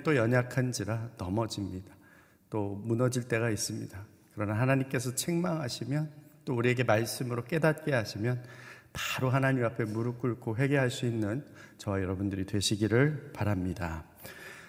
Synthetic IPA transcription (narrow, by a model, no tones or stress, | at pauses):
t͈ojʌɲakʰand͡ʑiɾanʌmʌd͡ʑimɲid̥a | t͈omunʌd͡ʑiɭt͈e̞ɣais͈ɯmɲḭd̥a | kɯɾʌnaɦanaɲimk͈e̞sʰʌt͡ɕʰeŋmaŋɦaɕʰimjʌnt͈ouɾie̞ɡemaɭs͈ɯmɯɾok͈e̞dat̚k͈e̞ɦaɕʰimjʌnpaɾoɦanaɲimapʰe̞muɾuk͈uɭkʰoɦwe̞ɡe̞ɦaɭs͈uinːɯnt͡ɕʌwajʌɾʌbundɯɾitwe̞ɕʰiɡiɾɯɭpaɾamɲida